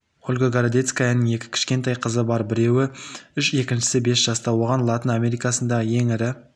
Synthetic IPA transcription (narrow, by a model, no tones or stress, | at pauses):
olʲɡoɡaɾad̪et̪skajanəɴe̞kʲɪ̥kʲʰɪ̥ʃkʲe̞nt̪ɑjqʰəzəbɑɾbɪɾe̞wɪʏʃe̞kʲɪnʃɪ̥sɪbe̞sʒ̥ɑst̪ɑwo̞ʁɑnlˠɑt̪ənamʲe̞ɾijkɑsənd̪ɑʁəje̞ŋɪɾɪ